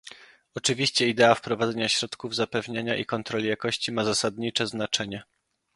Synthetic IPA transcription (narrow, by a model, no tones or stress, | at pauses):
ɔt͡ʂɘvʲiɕt͡ɕɛid̪ɛafpɾɔvad̪ɛɲaɕɾɔt̪kuvzapɛvɲaɲaʔḭkɔnt̪ɾɔlʲijakɔɕt͡ɕimazasad̪ɲit͡ʂɛznat͡ʂɛɲɛ